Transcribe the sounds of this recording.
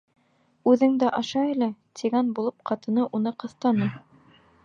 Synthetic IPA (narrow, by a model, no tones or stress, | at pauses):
ʉðɘŋd̪æʔɑʃɑilæt̪ʰiɡænbulˠɤp̚qʰɑt̪ɤ̆nɤʔunɤqɤ̆θt̪ɑnɤ